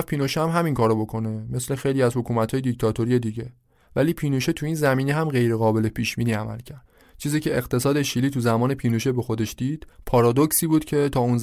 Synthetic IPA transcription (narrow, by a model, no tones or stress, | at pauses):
fpʰiːnoʃeæmɦæmiŋkʰɒːɾobo̞kʰo̞ne̞me̞sle̞xe̞jliæzhokʰuːmæt̪ʰhɒːjed̪ict̪ʰɒːt̪ʰo̞ɾije̞d̪iːɟe̞ | væliːpʰiːnoʃet̪ʰuiːnzæmiːne̞ɦæmɢe̞jɾe̞ɣɒːbe̞lepʰiːʃbiːniæmæ̰lcʰæɾd̪̥t͡ʃʰiːziːcʰe̞eɣt̪ʰe̞sɒːd̪eʃiliːt̪ʰuzæmɒːne̞pʰiːnoʃebexo̞d̪e̞ʃd̪̥iːd̪̥pʰɒːɾɒːd̪ocsiːbuːd̪cʰe̞t̪ʰɒːunz